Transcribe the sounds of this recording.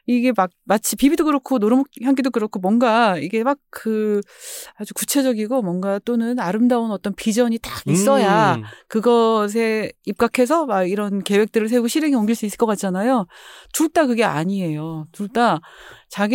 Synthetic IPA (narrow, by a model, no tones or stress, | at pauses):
iɡe̞mak̚mat͡ɕʰipibidoɡɯɾokʰonoɾɯmokçjaŋɡidokɯɾʌkʰomwʌnɡaiɡe̞mak̚ʰɯ | ad͡ʑukut͡ɕʰe̞d͡ʑʌɡiɡomwʌnɡat͈onɯnaɾɯmdaonʌt͈ʌnpid͡ʑʌɲitaɡis͈ʌjakɯɡʌs̬ʰe̞ip̚k͈akʰe̞s̬ʰʌmaɡiɾʌnke̞we̞k̚t͈ɯɾɯɭsʰe̞uɡoɕʰiɾe̞ŋioŋɡiɭs͈uis͈ɯɭk͈ʌk͈at̚t͡ɕ͈anajot͡ɕuɭt͈akɯɡe̞a̰ɲie̞jot͡ɕuɭt͈at͡ɕaɡi